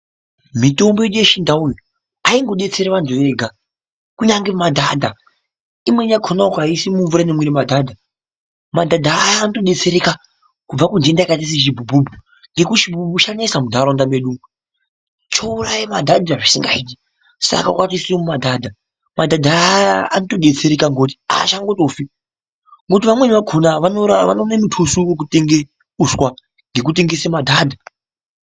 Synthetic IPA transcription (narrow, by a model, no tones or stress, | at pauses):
mito̞mboeɗujeʃindaujo | aiŋɡo̞ɗe̞t͡se̞ɾeʋanzoʋeːɡʱa | kuɲaŋɡemadʱadʱa | imwe̞ɲakʰonaokaisimuɱvuɾanemweɾimadʱaːdʱa | madʱadʱaːjaːnotoɗe̞t͡se̞ɾeka | kub͡vakundendaikat̬is̬iʃ̬ibʱubʱubʱu | ŋɡe̞kuʃibʱubuʃanesamudʱaɾondameɗu | t͡ʃo̞urajimadʱadʱaʐisiŋɡa̰it̬i | sa̰kakwatisimumadʱadʱa | madʱadʱaːjaanoto̞ɗe̞t͡se̞ɾekaŋɡo̞t̬i̥a̰ʃaŋɡo̞to̞fi | ŋɡo̞t̬iʋamwe̞ʋaɡʰʱonaʋanoaʋa̰nonemutʰusuwek̬uteŋɡe | uswa | ŋɡek̬ut̬eŋɡesemadʱaːdʱa